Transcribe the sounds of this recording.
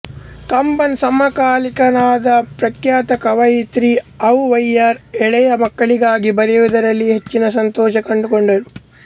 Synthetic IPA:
kɐmpɐnsɐmːɐkaːlikɐnaːd̪ɐpɾɐkjaːt̪ɐkɐʋɐjit̪ɾiɐwʋɐjɐɾɛɭɛjɐmɐkːɐɭiɡaːɡibɐɾɐjud̪ɐɾɐlːiɦet͡ʃːinɐsɐnt̪ɔːʃɐkɐɳɖukoɳɖɐɾu

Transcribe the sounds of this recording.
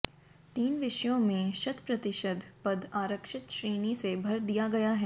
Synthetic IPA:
t̪iːnʋɪʃjõmẽʃɐd̪pɾɐt̪ɪʃəd̪ʱpɐd̪aːɾəkʃɪt̪ʃɾiːnisebʱɐɾd̪ijaɡɐjaɦɛː

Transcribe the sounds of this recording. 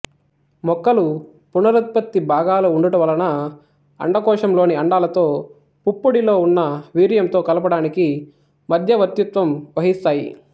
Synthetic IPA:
mɔkːɐlu | punɐɾɐt̪̚pɐt̪ːibʱaːɡaːluuɳɖuʈɐʋɐlɐnɐ | ɐ̰ɳɖɐkɔːʂɐmlo̞ːniɐɳɖaːlɐt̪o̞ː | pupːuɽilo̞ːunːɐʋiːɾjɐmt̪o̞ːkɐlɐpɐɽaːniki | mɐd̪ʱjɐʋɐt̪jut̪ʋɐmʋɐɦist̪aːjḭ

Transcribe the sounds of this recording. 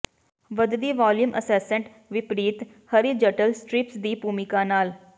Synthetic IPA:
ʋəd̪d̪iːʋaːljumʔə̰sɛːsə̃ɳʈ | ʋɪpɾiːt̪ | həɾid͡ʒəʈəlsʈɾɪpsd̪iːbuːmɪkaːnaːl

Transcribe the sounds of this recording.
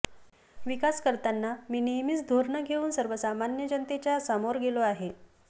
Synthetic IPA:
ʋikaskəɾt̪anːamiːnijmit͡sd̪ʱoɾɳəɡʱeuːnsəɾʋəsamanjəd͡ʑənt̪et͡ɕjasəmoɾɡeloaɦe

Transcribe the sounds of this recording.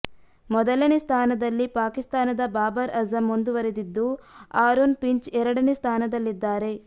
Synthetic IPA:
mɔd̪ɐlɐnest̪ʰaːnɐd̪ɐlːipaːkist̪aːnɐd̪ɐbaːbɐɾɐzɐmond̪uʋɐɾed̪id̪ːuaːɾoːnpiɲt͡ʃɛɾɐɽɐnest̪ʰaːnɐd̪ɐlːid̪ːaːɾe̞

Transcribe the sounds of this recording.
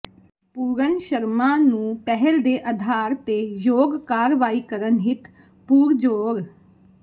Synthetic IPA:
puːɾənʃəɾmãːnũːpɛɦɛld̪eːʔəd̪ʱaːɾt̪eːjoːɡkaːɾʋaːiːkəɾənɦɪt̪ | puːɾd͡ʒoːɡ

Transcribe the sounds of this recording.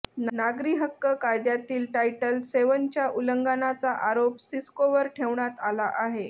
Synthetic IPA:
nnaɡɾiːɦəkːəkajd̪jat̪iːlʈajʈəlseʋənt͡ɕjaʔuləŋɡanat͡saʔaɾopsiskoʋəɾʈʰeʋɳat̪alaʔaɦe

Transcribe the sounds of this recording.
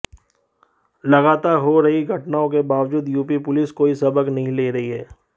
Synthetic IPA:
lɐɡaːt̪aːɾɦoɾɐɦiɡʱɐʈnaːõk̬ebaːʋd͡ʒuːd̪juːpipʊlɪskoːisɐbəknɐɦĩleːɾɐɦiɦɛː

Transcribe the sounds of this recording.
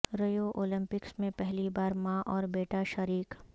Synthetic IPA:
ɾɐjoʔoːlɪ̃mpɪksmẽpɛɦlibaːɾmãʔɔːɾbeːʈaʃɐɾiːk

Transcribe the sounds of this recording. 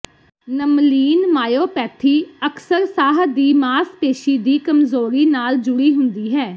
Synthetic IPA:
nəmliːnmaːjoːpɛːt̪ʰiːəksəɾsaːɦd̪iːmaːspeːʃiːd̪iːkəmzoːɾiːnaːld͡ʒʊɽiːɦʊnd̪iːɦɛː

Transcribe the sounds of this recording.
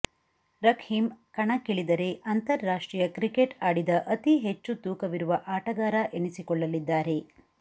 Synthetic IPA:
ɾɐkʰhimkɐɳɐkiɭid̪ɐɾe̞ʔɐnt̪ɐɾːaːʂʈɾiːjɐkɾikeʈaːɽid̪ɐʔɐt̪iɦet͡ʃːut̪uːkɐʋiɾuʋɐʔaːʈɐɡaːɾɐʔenisikɔɭːɐlid̪ːaːɾe̞

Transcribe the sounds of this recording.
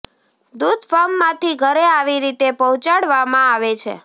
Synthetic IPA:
d̪ud̪fɔɾmːãt̪ʰiɡʱəɾeaʋiɾit̪epɔũt͡ʃaɽʋamãaʋet͡ʃʰḛ

